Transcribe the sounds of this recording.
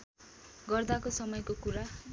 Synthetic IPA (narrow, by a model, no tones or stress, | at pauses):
ɡʌrd̪akosʌmʌjkokuɾa